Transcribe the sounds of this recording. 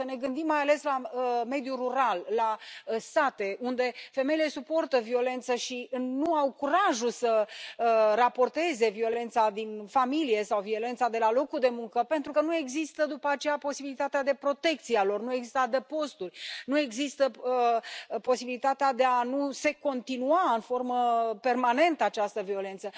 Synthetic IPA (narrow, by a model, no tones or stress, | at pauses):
əne̞ɡɨnd̪imːajale̞slaəme̞d̪juruɾalːaəsat̪e̞ʔund̪e̞fe̞me̞jile̞supo̞rt̪əvio̞le̞nt̪səʃinuawkuɾaʒusə | rapo̞rt̪e̞ze̞vio̞le̞nt̪sad̪infamilije̞sawvio̞le̞nt̪sad̪e̞lalo̞kuld̪e̞muŋkəpe̞nt̪ɾukənue̞ɡzist̪əd̪upəat͡ʃe̞japo̞sibilit̪at̪ead̪e̞pɾo̞t̪e̞k̚t̪sialo̞rnue̞ɡzist̪ad̪epo̞st̪urʲnue̞ɡzist̪əəpo̞sibilit̪at̪ead̪e̞anuse̞ko̞nt̪inuaɨnfo̞rməpe̞rmane̞nt̪əat͡ʃast̪əvio̞le̞nt̪sə